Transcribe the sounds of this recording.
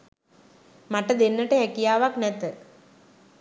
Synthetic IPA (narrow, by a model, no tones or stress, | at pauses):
mɐʈ̪ːɐd̪enːɐʈːeɦekːijaːʋaknet̪ːɨ